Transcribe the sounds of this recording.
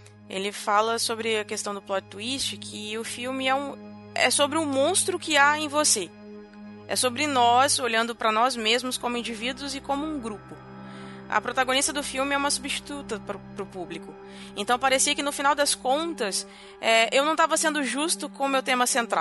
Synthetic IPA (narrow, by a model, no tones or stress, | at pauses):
ḛlɪfalɐsobɾɪɐkest̪ɐ̃w̃d̪ʊplɔd͡ʒɪt̪uist͡ʃɪkʰɪʊfiwmɪɛũ | ɛ̰sobɾɪʊmõst̪ɾʊkɪaẽj̃vose | ɛ̰sobɾɪnɔzoʎɐ̃nd̪ʊpɾɐnɔzmezmʊskõmʊĩd͡ʒivid̪uʊzɪkõmʊũɡɾupʊ | ɐ̰pɾot̪aɡõnist̪ɐd̪ʊfiwmɪɛũmɐsubist͡ʃi̥t̪ut̪ɐpɾʊpɾʊpublikʊ | ẽnt̪ɐ̃w̃paɾesiɐkɪnʊfin̪awd̪ɐskõnt̪ɐs | ɛewnɐ̃w̃t̪avɐsẽnd̪ʊʒust̪ʊkõʊmewt̪ẽmɐsẽnt̪ɾa̰w